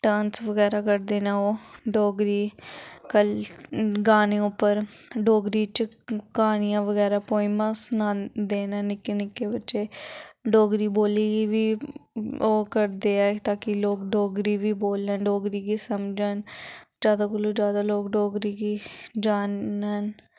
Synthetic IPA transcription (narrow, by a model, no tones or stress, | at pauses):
ʈaːnsʋəɡɛːɾaːkəɾd̪eːnaoːɖoːɡɾiːkəl | ɡaːneːʊpːəɾɖoːɡɾiːt͡ʃ | kaːnɪjãːʋəɡɛːɾaːpoːiːmãːsnãːd̪eːnaːnɪkːenɪkːeːbətːʃeːɖoːɡɾiːboːliːɡiːʋiː | oːkəɾd̪eːɛːt̪aːkɪloːkɖoːɡɾiːʋiːboːlənɖoːɡɾiːɡiːsəmd͡ʒənd͡ʒaːd̪aːkəluːd͡ʒjaːd̪aːloːkɖoːɡɾiːɡiːd͡ʒaːnən